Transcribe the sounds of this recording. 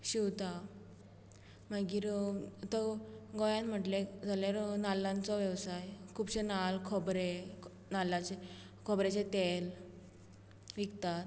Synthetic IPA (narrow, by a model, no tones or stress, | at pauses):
ɕiwt̪a | maɡiːɾt̪əɡɔjãnm̤əʈled͡zʱalaɾɔnalːãnt͡sɔʋjəʋsajkʰuːbɕenalkʰɔbɾe | nalat͡ɕe | kʰɔbɾet͡ɕet̪el | ʋikt̪at̪